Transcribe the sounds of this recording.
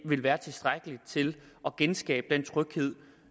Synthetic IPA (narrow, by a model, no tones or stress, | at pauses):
ʋe̝lʋæːɐt͡sʰe̝sd̥ʁaɡ̥əli̥t͡sʰe̝lʔɒ̽ɡ̥ensɡ̥ɛ̰ːb̥əd̥ent͡sʰʁœɡ̥he̝ð̞̰ˠ